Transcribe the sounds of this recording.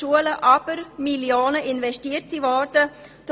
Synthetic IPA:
uələʔɑb̥əɾmiljoːnəʔɪnvɛʃtiːəɾtsivɔɾdə | d̥

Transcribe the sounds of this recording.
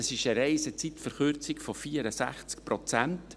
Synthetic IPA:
ɑsɪʃəɾɛɪsət͡sitfəɾχʏɾt͡sɪkfɔfiːəɾəsæ̰χt͡skpɾɔt͡sænt

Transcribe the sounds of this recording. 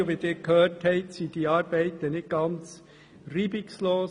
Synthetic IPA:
ʋɪːdɪːɾkʰhøːthɛɪtsiːd̥iɑːɾb̥ɛɪtənɪt̚ɡ̥ɑnt͡s | riːbɪksloː

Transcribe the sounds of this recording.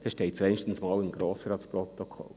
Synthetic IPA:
d̥̪ɛʃtɛɪt̚t͡sɛnʃtən̩smɑːlɪmɡɾoːsəɾɑtspɾɔt̪ɔkʰɔ̰l

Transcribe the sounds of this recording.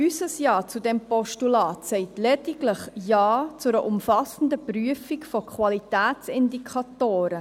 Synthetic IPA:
ysəsjɑːt͡sudɛmpɔʃtulɑːtsɛɪtlɛdiɡləχjɑːt͡sʊɾəʔʊmfɑsən̩d̪əpryəfikfɔkʰχwɑlitæːtt͡sɪndikʰɑtoːɾə

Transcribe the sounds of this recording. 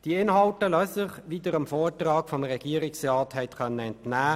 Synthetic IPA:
d̥iɪnɦɑltəløːsəχʋiːdəɾəmfɔːtrɑːkfɔmʁɛɡ̥iːəɾɪksrɑːthɛɪtkœnːəɛntnæː

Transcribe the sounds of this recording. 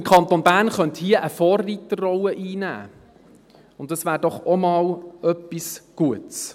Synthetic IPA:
ɪmkʰɑnt̪onbæːɾnχœnthiəʔəfɔːrːiːt̪ərrɔləʔiːnæ̰ː | ʊndɑsvʋæːɾdɔχɔmɑːlœpːisɡ̥uəts

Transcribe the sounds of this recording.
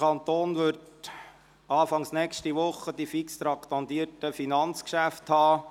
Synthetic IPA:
ɑnt̪oːnʋʏɾt | ɑːfɑŋsnɛkʃtiʋʊχːəd̥ifikst̪ɾɑkt̪ɑnd̪iətəfinɑnt͡skʃæfthɑː

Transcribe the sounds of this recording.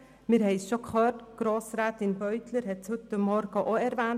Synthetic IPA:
mɪːɾɦɛɪsʃokχœːtɡ̥ɾoːsɾaːt̪ɪnbœʏt̪ləɾɦɛtt͡shʉtəmːɔɾɡ̥əʔoɛɾʋæːn

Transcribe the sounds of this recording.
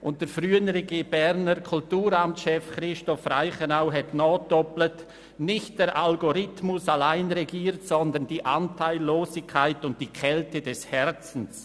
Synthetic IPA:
ʔʊnt̚d̥eːɾfʁyːənʁeɡeːbɛɾnəɾkʰʊltuːɾamtʃɛfχrɪʃtɔfraɪχənaʊɦɛtnɔːd̥ɔplət | nɪçt̚d̥eːɾʔalɡoɾɪtmʊsalaɪnʁeɡiːɾtsɔndənd̥iːʔantʰaɪlːoːsɪkʰːaɪtʊnt̚d̥iːkʰɛltədɛshɛɾt͡sn̩s

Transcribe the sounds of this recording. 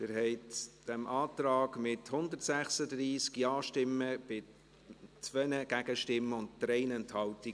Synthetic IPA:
ɛɾɦɛɪtd̥ɛmʔɑːtɾɑːɡmɪthʊndətsæχsədɾiːskjɑːʃtɪmːəb̥ɪ | t͡svɛnəɡæɡəʃtɪmːəʊndtɾɛɪnɛnthɑlti

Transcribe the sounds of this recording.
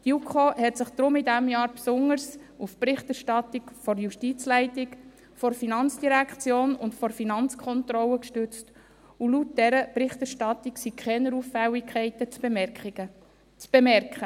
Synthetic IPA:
tjukʰohɛtsɪχd̪̥ɾʊmidæmjɑːɾpsʊŋəɾsufpɾɪχtɛɾʃtɑtikfɔɾjuʃtit͡slɛɪtɪk | fɔɾfinɑnt͡sd̥iɾækʰt͡sjoːnʊntfɔɾfinɑnt͡skʰɔnt̪rɔləkʃtʉt͡st | ulut̚dɛɾəpɾɪχtɛɾʃtɑt̪iksikʰχɛnəɾufæwikʰχɛɪtə | t͡sb̥emɛɾkχə

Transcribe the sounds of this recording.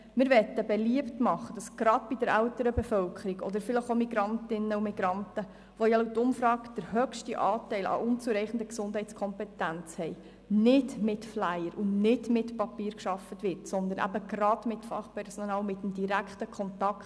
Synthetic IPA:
mɪːɾʋɛt̪ːəbɛliəptmɑχːəd̥ɑsɡ̥ɾɑd̥bidəɾæwtəɾəbɛfœwkʰχəɾiɡɔ̰d̪əɾfɪləχomiɡɾɑntɪnːəumiɡ̥ɾɑntə | ʋɔjɑlutːʊmfɾɑːɡd̥əɾhœkʃtiʔɑːtɛɪlʔɑ̰ʔʊnt͡suɾɛɪχn̩dəksʊnd̥ɦhɛɪt͡skʰɔmpɛt̪ːænt͡shɛj | nɪdmɪtflæjəɾʔʊnnɪdmɪtpɑpiːɾkʃɑfːətʋɪɾtsɔnd̪ənæ̰bəɡrɑd̥mɪtfɑχpʰɛɾsɔnɑːlmɪtːəmdiɾækχtəkʰχɔntɑkt

